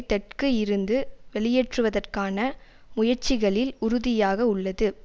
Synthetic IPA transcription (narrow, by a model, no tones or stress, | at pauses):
t̪ːɛʈ̚kɯɪɾɯnd̪ɯʋɛɭɪjeːʈrɯʋɐðɐrkaːnɐ | mʊjɐɾt͡ʃɪɣɐɭɪlʊɾʊðɪjaːɣɐʊɭːɐðɯ